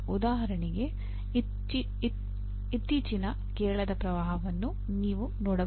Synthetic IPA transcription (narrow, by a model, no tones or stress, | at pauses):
ud̪aːɦɐɾɐɳiɡe̞ | it̪ːiːt͡ʃinɐ | kɛːɭɐd̪ɐpɾɐʋaːɦɐʋɐnːu | niːʋunɔːɽɐ